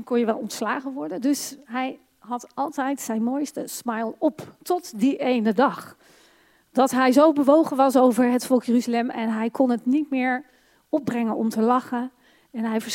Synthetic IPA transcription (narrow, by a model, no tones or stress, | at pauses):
kɔnjəʋɛlˠɔntslaːχəʋɔɹdəndɵsɦɛj | ɦɑtɑlˠtɛjtsɛjnmojstəsmɑjlˠɔptɔtdiʔejnədɑχ | d̥ɑtɦɛjzowbəʋowχənʋɑsowvəɹɦətfɔlˠkjəryzəlɛmɛnɦɛjkɔnətnitmɪːɹ | ɔb̚brɛŋənɔ̰mtəlɑχən | ɛnɦɛjvəɹs